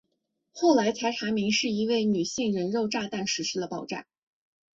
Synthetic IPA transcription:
xo˥˩ʊla˧˥ɪt̪ʰa˧˥ɪʈ͡ʂʰa˧˥mi˧˥ŋʂɻ̩˥˩i˧˥we˥˩ɪny˨˩ɕi˥˩ŋɻə˧˥nɻo˥˧ʊʈ͡ʂa˥˧t̪a˥˩nʂɻ̩˧˥ʂɻ̩˧˥d̪ə˧pɑ˨˩ʊʈ͡ʂa̰˥˩n

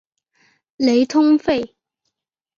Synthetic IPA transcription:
le˨˧jt̪ʰʊ˥ŋfe˥˩j

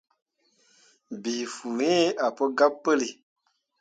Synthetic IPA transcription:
bi˨fu˨ẽ˦a˨pə˦ɡa˦pːə˦li˨

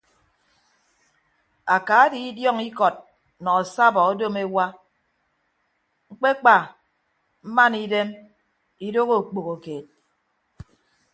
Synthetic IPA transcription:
a˨ka˨˦di˦i˦djɔ˦ŋi˦kɔ˨t̚ | nɔ˨a˨sa˦bɔ˨o˦do˦me˦wa˦ | ŋ̩˦k͡pe˦k͡pa˨ | m̩˦ma˦ni˦de˦m | i˦do˦ɣo˦˨k͡po˨ɣo˨keː˨t̚

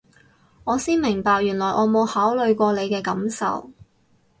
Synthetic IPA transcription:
ŋɔː˨˧siː˥nmɪ˨˩ŋpaː˨k̚jyː˨˩nlɔː˨˩jʔɔː˨˧mo˨˧whaː˨˥wlɵ˨˧ɥkʷɔː˧le˨˧jkɛː˧kɐ˨˥msɐ̰˨w

